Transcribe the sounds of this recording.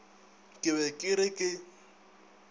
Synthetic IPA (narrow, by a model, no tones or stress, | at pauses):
kʼɪβɛkʼɪɾɪkʼɪ